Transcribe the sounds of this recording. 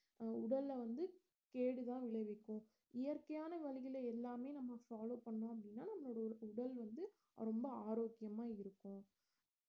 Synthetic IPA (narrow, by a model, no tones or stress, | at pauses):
ʊɽɐlːʋɐnd̪ɯ | keːɽɯt̪ãːʋɪɭɐʋɪkːʊ̃ː | ɪjɐɾkɐjaːnɐʋɐlɪɣɪlɐɛlːaːmeːnɐmːɐfaːloːpɐɳːõːɐp̬ːɐɽɪnːaːnɐmːɐloːɽɐʊɽɐlʋɐnd̪ɯ | ɾɔmbɐaːɾoːkːɪjɐmaːɪɾɯkːʊ̃